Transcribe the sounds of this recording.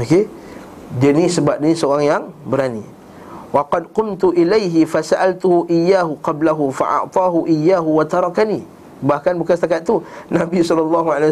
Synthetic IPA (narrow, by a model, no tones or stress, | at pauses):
ake | dianisəbap̚diisəoɾaŋjaŋbəɾanḭ | wɑqɑd̪̚qʊmt̪uʔilajɦɪfasaʔalt̪uhuʔijːaːɦuqɑblaɦufa̰ʔɑ̰ʕt̪ˤɑːɦuʔijːaːɦuwat̪ɑɾˤɑkani | bahkanbukansət̪akat̪̚t̪ːunabisɔlɑlːɑːɦuʕala